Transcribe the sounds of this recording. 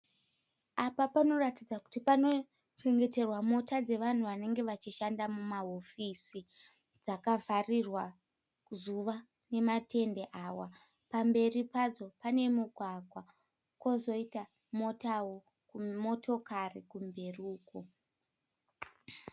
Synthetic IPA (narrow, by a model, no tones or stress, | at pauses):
apapano̞ratid͡zaku̥tipano̞ | t͡ʃe̞ŋɡe̞te̞rwamo̞tad͡ze̞ʋan̤uʋane̞ŋɡe̞ʋat͡ʃiʃandamumaofisi | d͡zakavarirwa | zuʋa | ne̞matʰe̞nde̞ʔaːwa | pambe̞ripad͡zo̞pane̞muɡʱwaɡʱwa | kwozo̞ita | mo̞tawo̞ | kumo̞tʰo̞karikumbʱe̞ruːko